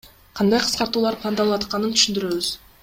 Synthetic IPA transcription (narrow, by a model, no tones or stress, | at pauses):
qʰɑnd̪ɑjqʰɯ̥sqɑɾt̪uːlˠɑɾpʰlˠand̪ɑlˠwɑt̪̚qɑnɯnt̪ʰy̥ʃynd̪yɾø̞βyz̥